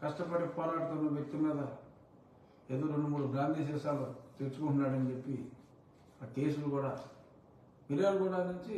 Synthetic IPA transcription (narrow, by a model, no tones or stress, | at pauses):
kɐsʈɐpɐʈipɔːlaːɽut̪unːɐʋjek̚t̪imiːd̪ɐ | ed̪uɾonumːuɽuɡaːnd̪ʱiːs̬ɛːʃaːlut̪eɾusu̥kuɳʈunːaːɽɐnit͡ʃepːi | aːkeːsulukuːɽaː | miɾaːnukuːɽaːnuɲt͡ʃi